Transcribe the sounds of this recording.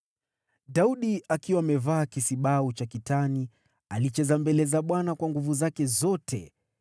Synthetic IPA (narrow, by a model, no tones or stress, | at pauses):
ɗauɗiakiwaːmɛvaːkisiɓaut͡ʃakitani | alit͡ʃɛzambɛlɛzaɓwanakwaŋɡuvuzakɛzɔtʰɛ̰